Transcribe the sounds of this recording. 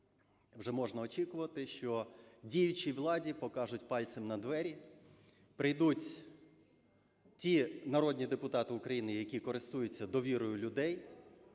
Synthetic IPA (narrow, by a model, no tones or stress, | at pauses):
wʒɛmɔʒnɐɔt͡ʃʲikʊʋɐt̪ɪʃt͡ʃɔdʲijʊt͡ʃʲiʋlˠɑdʲipɔkɑʒʊtʲpɑlʲt̪semnɐd̪ʋɛɾʲi | pɾɪjd̪utʲ | tʲinɐɾɔdʲnʲid̪epʊt̪ɑt̪ɪʊkɾɐjinɪjɐkʲikɔɾɪst̪ujʊt͡sʲːɐd̪ɔʋʲiɾɔjʊlʲʊd̪ɛj